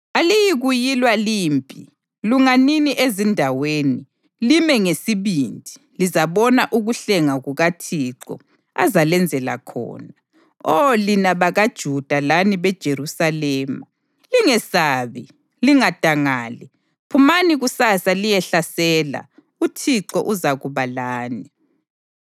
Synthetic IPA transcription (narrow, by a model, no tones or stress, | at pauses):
alijiɣujilwaliːmpʼi | luŋaniniʔezindʱaweːni | limɛŋesiβindʱi | lizaβɔnaʔuɣuɬɛŋaɣuɣatʰiǀɔ̰ | a̰zalɛnd͡zʱɛla̰kʰɔ̰ːna | ɔlinaβaɣad̥ʒ̥ʱud̥ʱalaniβɛd̥ʒ̥ʱerusalɛːma | liŋɛsaːβi | liŋad̥ʱaŋaːli | pʰumaniɣusasalijɛɬasɛːla̰ | utʰiǁɔʔuzaɣuβalaːni